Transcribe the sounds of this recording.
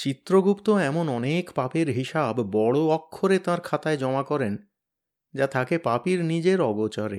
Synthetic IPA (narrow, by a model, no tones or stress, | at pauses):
t͡ɕit̪ːɾoɡupt̪oɛmonɔnekpapeɾɦiʃabːɔɽoɔkʰːoɾet̪ãɾkʰat̪aed͡ʑɔmakɔɾen | d͡ʑat̪ʰakepapiɾnid͡ʑeɾɔɡot͡ɕaɾḛ